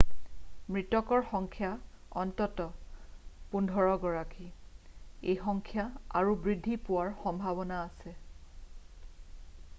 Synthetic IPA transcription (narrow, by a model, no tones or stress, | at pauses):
mɹitɔkɔɹxɔŋkʰjaɔntɔtɔ | pundʱɔɹɔɡɔɹaki | ejxɔŋkʰjaa̰ɹubɹidʱːipʊwaɹxɔmbʱaβɔnaːsɛ